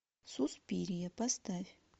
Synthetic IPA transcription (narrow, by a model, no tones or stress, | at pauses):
suspʲiːɾʲijapast̪avʲ